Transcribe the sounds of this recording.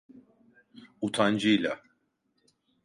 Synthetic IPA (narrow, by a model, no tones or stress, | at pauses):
ut̪ʰand͡ʒɯjlʲa